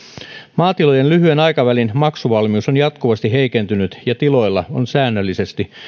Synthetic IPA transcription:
mɑːt̪ilojenlyɦyenɑjkɑʋælinmɑksuʋɑlmiusonjɑt̪kuʋɑst̪iɦeikent̪ynyt̪jɑt̪ilo̞ilːɑ̰onsæːnːølːise̞st̪i

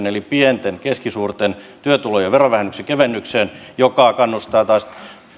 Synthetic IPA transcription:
nelipient̪enkeskisuːrt̪ent̪yøt̪ulojɑʋerɑʋæhenːyksekeʋenːykseːnjokɑˑkɑnːust̪ɑːt̪ɑːˑs

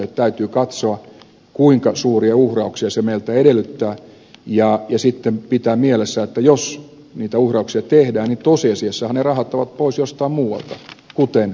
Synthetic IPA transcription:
et̪t̪æyt̪yːkɑt̪soɑ | kuiŋkɑsuːriɑuhrɑuksiɑsemeilt̪æedelːˑyt̪ːæː | jɑjɑsit̪ːempit̪æːmielesːæet̪ːæjos | niːt̪æuhrɑuksiɑt̪ehdæːnnit̪osiɑsiesːæhɑnnerɑhɑt̪ːɑʋɑt̪̚poisjost̪ɑimmuːwɑ̰lt̪ɑkut̪en

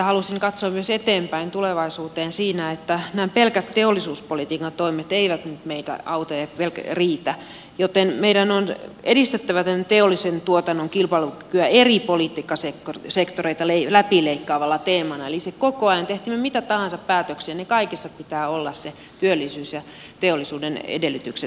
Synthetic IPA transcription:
jɑhɑlusiŋkɑt̪soɑmmyøset̪eːmpæint̪uleʋɑisuːt̪eːnsiːnæet̪ːænæːpelkæt̪teolːˑisuːspolit̪iːkɑnt̪oimet̪eiʋæt̪nyt̪meit̪æ̰ɑut̪ɑjɑpelkriːt̪æ | jot̪enmeidænonedist̪et̪ːæʋæt̪ent̪eolːˑisent̪uot̪ɑnːoŋkilpɑlukykyæeripolit̪ˑiːkːɑsekorsekt̪oreit̪ɑlelæpileikːɑːʋɑlːɑt̪eːmɑnɑelisekokoɑjɑnt̪eht̪iːmːømit̪æt̪ɑhɑnsɑppæːt̪øksiːnnekɑikisːɑppit̪æːolːɑsse | t̪yølːˑisyːsjɑ | t̪eolːˑisuːdenḛdelːyt̪ykse

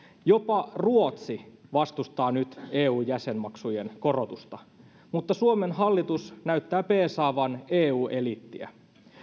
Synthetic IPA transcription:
jo̞pɑruot̪siʋɑst̪ust̪ɑːnyt̪eːuːjjæse̞nmɑksujenko̞ro̞t̪ust̪ɑ | mut̪ːɑsuome̞nɦɑlːit̪usnæyt̪ːæːpeːsɑːʋɑneːuːʔe̞lit̪ːiæ̰

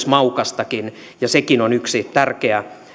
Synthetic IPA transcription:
smɑukɑst̪ɑkin | jɑsekinonyksit̪ærkeæ

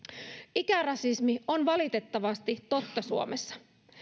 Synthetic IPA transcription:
ikærɑsismio̞nʋɑlit̪e̞t̪ːɑʋɑst̪it̪o̞t̪ːɑsuomesːɑ̥

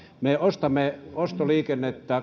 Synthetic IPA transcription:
meost̪ɑmːeost̪oliːkenːet̪ːæː

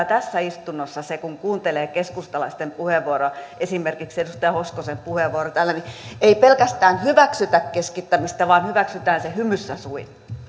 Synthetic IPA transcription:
t̪æsːæist̪unːosːɑsekuŋkuːnt̪eleːkeskust̪ɑlɑist̪empuheʋːuoɾoesimerkiksedust̪ɑjɑhoskosempuheʋːuorot̪æːlːænieipelkæst̪æːnhyʋæksyt̪ækkeskit̪ːæmist̪æʋɑːnhyʋæksyt̪æːnsehymysːæsuin

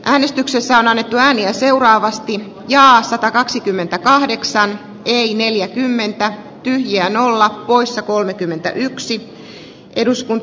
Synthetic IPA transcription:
ʔæːne̞st̪yksesːæo̞nɑnːe̞t̪ːuæːniæse̞uɾɑːʋɑst̪i | jɑːsɑt̪ɑkɑksikymːe̞nt̪ækɑhde̞ksɑn | eine̞ljækymːe̞nt̪æ | t̪yhjiæːno̞lːɑppo̞isːɑkolmekymːe̞nt̪æ̰ʔyksi | ʔeduskun

